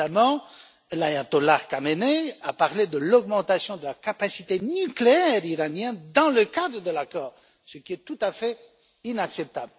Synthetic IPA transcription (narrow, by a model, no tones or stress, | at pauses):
amɑ̃ | lajat̪olaʁkameneapaʁled̪əlɔɡmɑ̃t̪asjɔ̃d̪əlakapasit̪enykleɛʁiʁanjɛ̃nd̪ɑ̃ləkad̪ʁəd̪əlakɔːʁ | səkʲiɛt̪ut̪afɛ | inaksɛp̚t̪abl